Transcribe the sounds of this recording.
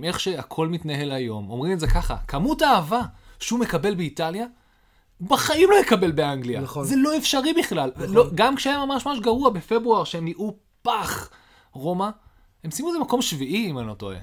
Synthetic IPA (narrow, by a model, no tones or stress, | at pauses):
me̞χʃe̞akʰo̞lmitnaɦe̞lajo̞mo̞mʁimetzekaχa̰kʰamutaːvaʃeume̞kabe̞lbeitalja | baχaimlo̞jekabe̞lbeaŋɡlianzelo̞e̞fʃaʁibiχlalloɡamkʃeajamamaʃmamaʃ̬ɡaʁuabe̞fe̞bʁuaʁʃehemiʔu | paχ | ʁo̞ma | he̞msimuezemako̞mʃviʔiimanoto̰ḛ